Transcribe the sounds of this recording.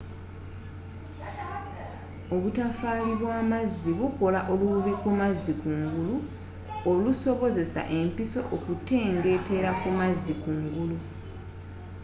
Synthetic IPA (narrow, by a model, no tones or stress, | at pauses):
o̞βutafaːliβwaːmazːiβuko̞laʔo̞luβikumazːikuːŋɡulu | o̞luso̞βo̞ze̞sa̰ʔe̞mpiso̞ʔokute̞ːŋɡe̞te̞ɾakumazːikuːŋɡulu